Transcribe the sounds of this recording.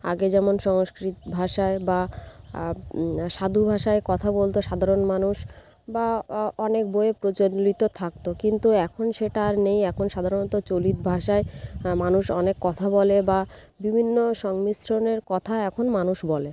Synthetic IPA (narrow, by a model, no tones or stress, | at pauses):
a̰ɡed͡ʑɛmonʃɔŋskɾit̪bʱaʃaeba | ʃad̪ʱubʱaʃaekɔt̪ʰabolt̪oʃad̪ʱaɾonmanuʃ | baɔnek̚boepɾot͡ɕolit̪ot̪ʰak̚t̪okint̪uɛkʰonʃeʈaɾnejɛkʰonʃad̪ʱaɾonɔt̪ot͡ɕolit̪bʱaʃaemanuʃɔnekːɔt̪ʰabɔleba | bibʱinːoʃɔŋmisɾoneɾkɔt̪ʰaɛkʰonmanuʃbɔle